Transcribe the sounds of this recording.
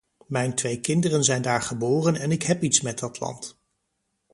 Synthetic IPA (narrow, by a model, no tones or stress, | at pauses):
mɛjntʋejkɪndərənzɛjndaːɹχəbʊːrənɛnɪkɦɛpitsmɛt̚dɑtlɑ̰nt